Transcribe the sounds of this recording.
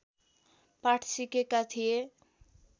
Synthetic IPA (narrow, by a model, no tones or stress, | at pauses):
paʈʰsikekat̪ʰije